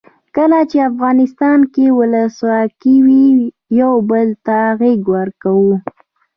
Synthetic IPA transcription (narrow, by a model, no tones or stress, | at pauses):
kəlat͡ʃeafɣɑnɪst̪ɑnkewʊləswɑkiwi | jawbəlt̪aɣiɡwəɾkawu